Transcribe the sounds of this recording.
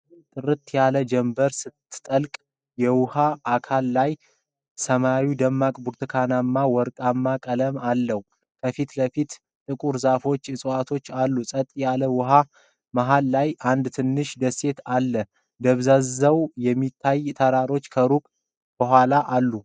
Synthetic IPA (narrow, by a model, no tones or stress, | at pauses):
t̪ʼɨɾɨt̪ʰjaləd͡ʒɛmbəɾsɨt̪ːɨ̥t̪ʼəlkʼ | jɛwʊhaːkʰalːaj | səmawid̪əmːakʼbuɾt̪ʰɨkʰanamːawɔɾkʼamːakʼələmalːəhu | kʰəfit̪ləfit̪ | t̪ʼɨkʼuɾzafo̞t͡ʃːɨsʼɨwat̪ʰo̞t͡ʃːalːusʼət̪ʼːjaləwʊɦa | maɦalːajʔand̪t̪ʰɨnːɨʃd̪əse̞t̪ʰalːə | d̪əβzazəwjɛmːit̪ʰːajt̪ʰəɾaɾo̞t͡ʃːkʰəɾukʼ | b̥əɦʷwʷalaʔalːu